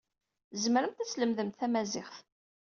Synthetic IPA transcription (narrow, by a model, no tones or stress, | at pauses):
zməɾəmt̪æt͡sːləmðəmt̪θæmæzɪχθ